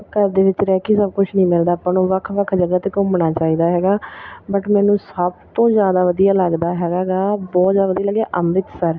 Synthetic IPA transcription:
kəɾd̪eːʋɪt͡ʃɾɛːkiːsəb̚kʊt͡ʃʰnĩːmɪld̪aːpənõːʋəkʰʋəkʰd͡ʒəɡaːt̪eːkʊmɽaːt͡ʃaːiːd̪aːɦɛːɡaːbəʈmɛːnũːsəbt̪õːzjaːd̪aːʋəd̪ijaːləɡd̪aːɦɛːɡaːɡaːbɔːt̪zjaːd̪aʋəd̪ijaːləɡaːʔəmɾɪt̪səɾ

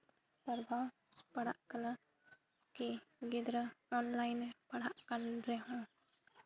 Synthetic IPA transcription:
pəɾbʱa | pəɽa̰ʔkəna | kiɡid̪ɾəɔnlajnpəɽaʔkənɾɛɦũ

